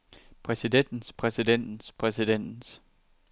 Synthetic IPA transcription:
pʰʁɛsiden̰d̥n̩spʰʁɛsid̥en̰d̥n̩spʰʁɛsid̥en̰d̥n̩s

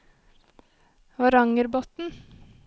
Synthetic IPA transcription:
ʋɑɾɑŋəɾbɔt̪n̩

